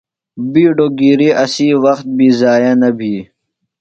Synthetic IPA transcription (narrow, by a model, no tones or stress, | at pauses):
biːɖoɡiːɾiʔɐsiːwɐxt̪̚biːzaːjanɐbʱiː